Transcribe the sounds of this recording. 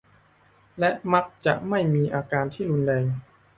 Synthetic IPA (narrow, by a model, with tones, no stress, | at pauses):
lɛ˦˥ʔma˦˥k̚t͡ɕa̰˨˩ʔma˥˩jmiː˧ʔaː˧kaː˧nt̪ʰiː˥˩ɾu˧nlɛː˧ŋ